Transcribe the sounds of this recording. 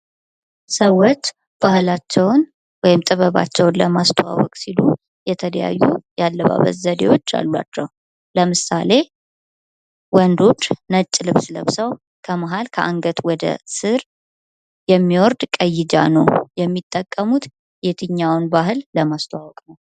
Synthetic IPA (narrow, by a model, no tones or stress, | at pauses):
səwot͡ʃː | b̥ahlat͡ʃːɛwn | wɔjɪmt̪ʼɨβəβa̰t͡ʃːɛwnləmast̪ʰəwa̰wɔkʼsilu | jɛt̪ʰələja̰jːujalːəβa̰βə̰t̪zəd̪ḛwo̞t͡ʃːa̰lːwa̰t͡ʃːɛw | ləmɨsale̞ | wɔnd̪o̞t͡ʃʼːnət͡ʃʼːlɨβsləβsəw | kʰəmaɦalkʰəʔaŋɡət̪ʰwɔd̪ə̰sɨɾ | jɛmːiwɔɾd̪kʼəjːɪd͡ʒa̰nəwjɛmːit̪ʼːəkʼːəmut̪ | jet̪ʰɨɲːawnbaɦɨlləmast̪ʰəwawɔkʼnəw